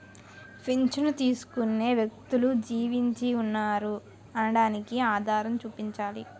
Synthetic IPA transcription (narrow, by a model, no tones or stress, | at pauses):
pʰint͡ʃɐnut̪iːsu̥kune̞ːʋjɐk̚t̪ulud͡ʒiːʋiɲt͡ʃiunːaːɾu | ɐnɐɽaːnikiaːd̪ʱaːɾɐmt͡ʃuːpiɲt͡ʃaːli